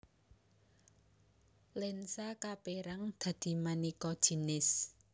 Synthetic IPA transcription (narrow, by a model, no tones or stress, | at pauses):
lɛnsakapeɾaŋd̪̥ä̤d̪̥i̤manikɔd̥ʒ̥i̤nɪs